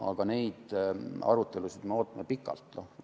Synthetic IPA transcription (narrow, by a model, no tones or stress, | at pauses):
ɑ̰ɡ̥ɑne̞jd̪ɑ̰ɾut̪ːˑe̞lusid̪̥meo̞ːt̪ːˑɑmepikˑːɑ̰lt̪ːno